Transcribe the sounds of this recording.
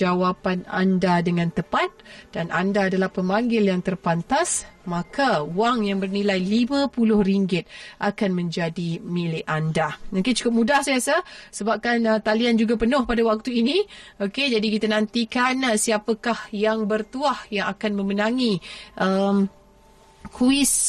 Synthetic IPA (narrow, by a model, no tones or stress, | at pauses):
awapana̰ndadəŋãnt̪əpat̪̚d̥anʔa̰ndaːdalahpəmaŋɡɪljaŋt̪ərpant̪asmakʰawaŋjaŋbərnilajlimãpulʊhriŋɡɪt̪̚ʔakanmə̃ɲd͡ʒadimilɪʔandanoket͡ʃu̥kʊp̚mudahsajasasəbap̚kanət̪aliand͡ʒuɡapənʊhpadawak̚t̪uinĩoked͡ʒadikit̪anãnt̪ikansiapakahjaŋbərt̪uahjaŋakanmə̃mənaŋiʔəm | kʰuɪs